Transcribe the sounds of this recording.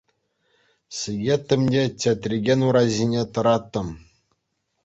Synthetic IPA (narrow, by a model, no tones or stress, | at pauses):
sɨɡʲet̪ʲːɘ̆mʲdʲetʲet̪rʲiɡʲenuɾɑʑʲinʲet̪ɤ̆ɾɑt̪ːɤ̆m